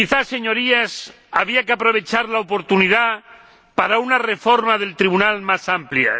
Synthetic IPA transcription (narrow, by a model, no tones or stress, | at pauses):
kiθase̞ɲoɾias | aβ̞iakeapɾoβ̞et͡ʃaɾlaopoɾt̪uniða | paɾaunarefoɾmaðelt̪ɾiβunalmasamplja̰